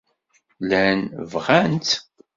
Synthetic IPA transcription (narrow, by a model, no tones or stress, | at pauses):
lænvʁænt̪